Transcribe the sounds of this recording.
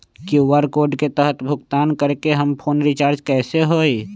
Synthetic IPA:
kiʋəɾkoːɾɖket̪əɦət̪bʱʊɡt̪aːnkəɾkeɦɐmpʰoːnɾɪt͡ʃaːɾd͡ʒkɛːseɦoːi

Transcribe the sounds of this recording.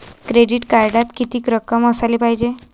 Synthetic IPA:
kɾeɖiʈkaɾɖat̪kit̪iːkɾəkəməsaliːpaɦid͡ʑe

